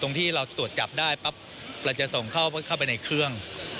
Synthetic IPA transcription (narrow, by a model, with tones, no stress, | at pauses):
t̪o˧ŋt̪ʰiː˥˩ɾa˧wt̪u˨˩ət̪̚t͡ɕa˨˩p̚daː˥˩jpa˦˥p̚ | pla˧˩t͡ɕa˨˩ʔso˨˩ŋkʰa˥˩wkʰa˥˩wp̬a˧jna˧jkʰɾɯ˥˩əŋ